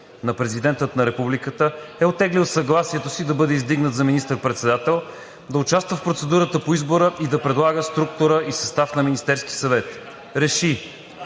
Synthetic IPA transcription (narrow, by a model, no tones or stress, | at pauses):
nɐpɾɛzid̪ɛnt̪ət̪nɐɾɛpublikət̪əɛot̪ːɛɡlilˠsɐɡlˠasiɛt̪osid̪ɐbɤd̪ɛizd̪iɡnət̪zɐminist̪əɾpɾɛt̪sɛd̪at̪ɛlˠ | d̪ɐʊt͡ʃast̪vəfpɾot̪sɛd̪uɾət̪əpoizboɾəʔid̪ɐpɾɛd̪lˠaɡəst̪ɾuk̚t̪ʊɾəʔisɐst̪afnɐminist̪ɛɾski̥sɐvɛt̪ | ɾɛʃi